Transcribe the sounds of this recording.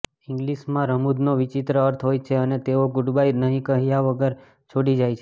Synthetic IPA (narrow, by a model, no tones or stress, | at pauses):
ɪ̃ŋɡliʃmãɾəmud̪noʋɪt͡ʃit̪ɾəəɾt̪ʰɦojt͡ʃʰeənet̪eoɡʊɖbajnəɦĩkəɦijaʋəɡəɾ | t͡ʃʰoɽid͡ʒajt͡ʃʰe